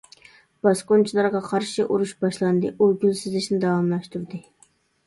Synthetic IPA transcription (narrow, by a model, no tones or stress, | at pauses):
b̥ɑsqont͡ʃʰilˠɑɾʁɑqʰɑɾʃiʔuɾuʃbɑʃlˠɑnd̪ɨʔuɡʲylsɪzlɪʃnɪd̪ɑwɑmlˠɑʃt̪uɾd̪ɨ